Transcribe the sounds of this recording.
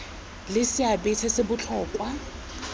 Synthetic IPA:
lɪsɪabɪtʰɛsɪbʊt͡ɬʰɔːkʼwa

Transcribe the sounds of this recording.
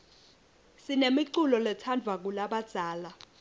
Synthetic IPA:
sinemiǀulɔlɛtʰand͡vʱak̬ulaɓad̥ʱaːla

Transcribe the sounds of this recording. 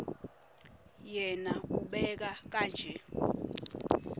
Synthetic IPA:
jɛnauɓɛk̬ak̬aːnd͡ʒʱɛ

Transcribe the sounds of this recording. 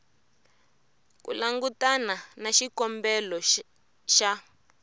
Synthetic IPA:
kṵlaŋɡutananaʃikɔmbɛlɔ | ʃa

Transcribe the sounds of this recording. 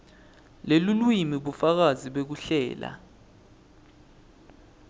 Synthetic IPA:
lelulwimiɓufak̬aziɓek̬uɬɛ̰ːla̰

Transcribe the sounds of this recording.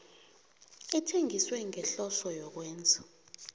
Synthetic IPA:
itʰeŋiswɛŋɛɬɔsɔjɔk̬wɛːnd͡zʱḁ

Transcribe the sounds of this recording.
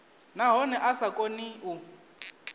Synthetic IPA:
naɦɔnɛʔasakʼoniu

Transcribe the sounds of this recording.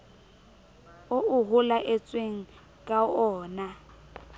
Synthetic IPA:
oʊɦʊlaʔɛt͡sʼweŋ̩ | kʼaɔːna

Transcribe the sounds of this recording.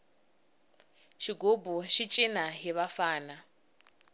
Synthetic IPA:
ʃiɡobuʃit͡ʃʼinaɦiβafaːna

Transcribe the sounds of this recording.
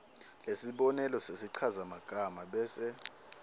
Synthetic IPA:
lesiɓɔnɛlɔsesiǀʰazamaɡ̥ʱamaɓɛːsɛ

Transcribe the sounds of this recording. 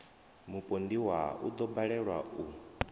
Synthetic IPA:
mupʼondiwaṵd̪ɔbaɺɛɺwau

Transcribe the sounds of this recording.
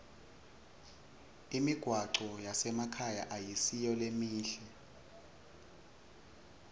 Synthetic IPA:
imiɡ̥ʱwaǀɔjasɛmakʰaja̰ʔajisijɔlemiːɬɛ

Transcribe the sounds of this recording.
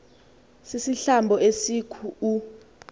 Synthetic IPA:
sisiɬambʱɔesikʰuu

